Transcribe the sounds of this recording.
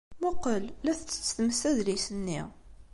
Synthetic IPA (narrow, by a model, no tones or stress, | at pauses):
mʊqəlːæθət͡sːə̥t͡sːθməsæðlisənːḭ